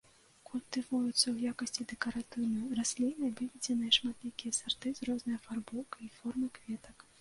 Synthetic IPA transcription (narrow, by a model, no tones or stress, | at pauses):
kulʲt̪ɨvujut̪sːɐwjakɐsʲt͡sʲid̪ɛkɐɾat̪ɨwnɐjɐrasʲlʲijnɨbɨvʲid͡zʲɛnɨjɛʂmat̪lʲikʲijɐsart̪ɨzrɔznɨjɐfarbɔkɐifɔrmɨkvʲɛt̪ɐk